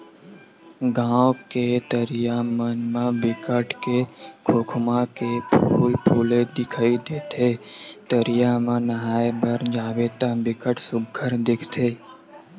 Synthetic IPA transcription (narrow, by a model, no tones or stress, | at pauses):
ɡãːwket̪əɾɪjamənmãbɪkəʈkekʰoːkʰmãkepʰuuːlpʰuːled̪ɪkʰaːid̪eːt̪ʰeːt̪əɾɪjamãnəɦaːebəɾd͡ʒaːbeːt̪ãbɪkəʈsʊɡʱəɾd̪ɪkʰt̪ʰeː